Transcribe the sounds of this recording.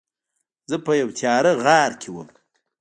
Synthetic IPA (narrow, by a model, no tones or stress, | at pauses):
zəpəjawt̪ʰjɑːɾəɣɑːɾkʰewəm